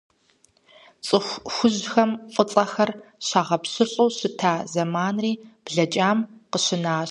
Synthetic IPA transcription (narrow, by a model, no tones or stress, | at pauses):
t͡sʼɨxʷxʷʊʑxɐmfʼʊt͡sʼɐxɐrɕaːʁɐpɕɪɬʼowɕɪtʰaːzɐmaːnriːb̥ɮɐt͡ʃʼaːmqəɕɪnaː